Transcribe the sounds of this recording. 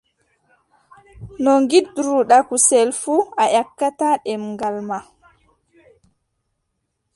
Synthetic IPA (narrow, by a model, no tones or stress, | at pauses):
nɔŋɡiɗɾuɗakusɛlfuaʔakːataɗɛmŋɡalma